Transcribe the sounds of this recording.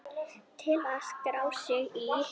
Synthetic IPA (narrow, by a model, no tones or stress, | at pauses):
t̪ʰɪlaskɾaːwsɪɣi